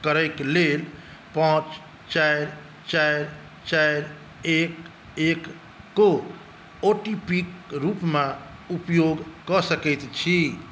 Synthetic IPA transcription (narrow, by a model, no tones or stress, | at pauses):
kəɾəɪklel | pãt͡ʃ | t͡ʃajɾ | t͡ʃajɾ | t͡ʃajɾ | ek | ekː | o | oʈipikɾupmẽ | upjoɡkɔsəkɛɪt̪t͡ʃʰi